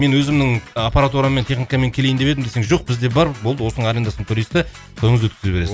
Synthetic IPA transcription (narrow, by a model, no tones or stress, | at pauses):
me̞nwɵzɪmnɪŋapaɾat̪uɾament̪ʰe̞χnijkɑme̞ŋkʲʰele̞jɪnd̪epe̞d̪ɪmd̪eseŋʒo̞q̚bɪzd̪e̞bɑɾbolˠd̪əwo̞sənəɴaɾe̞nd̪asənt̪ʰʊɾijst̪ɪ | t̪ʰojəɴəzwɵt̪kʲɪzɪpbe̞ɾeɪ